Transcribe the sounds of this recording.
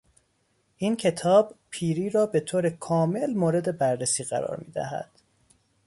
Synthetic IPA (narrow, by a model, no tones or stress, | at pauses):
ʔiːncʰe̞t̪ʰɒːb̥pʰiːɾiːɾɒːbe̞t̪ʰoːɾekʰɒːme̞lmoːɾe̞d̪e̞bæɾːesiːɣæ̰ɾɒ̰ːɾmḭːd̪æ̰ɦæ̰d̪̥